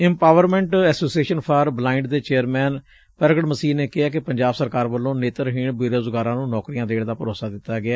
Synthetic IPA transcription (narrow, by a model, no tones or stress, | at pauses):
ɪ̃mpaːʋəɾmɛ̃ːɳʈɛːsoːsieːʃənpʰaːɾblaːɪɳɖd̪eːt͡ʃeːəɾmɛːn | pəɾɡəɽməsiːneːkɪaːk̬ɪpəɲd͡ʒaːbsəɾkaːɾbəlːõːneːt̪əɾɦɪːɳbɪɾoːzəɡaːɾãːnũːnɔːkɾijãːd̪eːɽd̪aːpəɾoːsaːd̪ɪt̪ːaːɡɪaː